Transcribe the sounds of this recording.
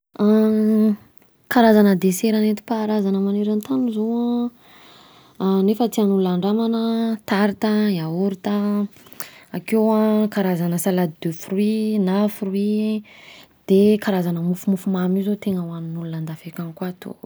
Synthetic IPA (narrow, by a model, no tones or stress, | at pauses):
a | kaɾazanəd̪eseɾanet̪i̥paɾazanəmaneɾant̪anuzoã | nefət̪ianuluaɳɖ͡ʐamanət̪aɾit̪aiauɾit̪a | akewakaɾazanəsalad̪id̪øfuruinafurui | d̪̥ekaɾazanəmufumufumamizot̪eŋəwaninulunand̪afekanikuat̪o̰